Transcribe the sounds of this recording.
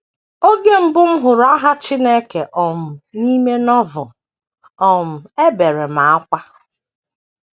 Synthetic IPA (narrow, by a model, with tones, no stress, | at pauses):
o˦ɡe˦m̩˦bʊ˦m̩˦ɦʊ˨ɾa˦ɦa˦t͡ʃi˦ne˦ke˨ʔɔ˨m̩˨ni˦me˦nɔ˦vʊ˨ | ɔ˨m̩˨e˦be˨ɾe˨ma˨a˦kʷa˦